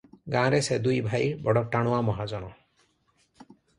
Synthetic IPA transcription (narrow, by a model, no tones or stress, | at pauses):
ɡãːɾesed̪ujbʱajbɔɽɔʈaɽ̃uamɔɦad͡ʒɔɽ̃ɔ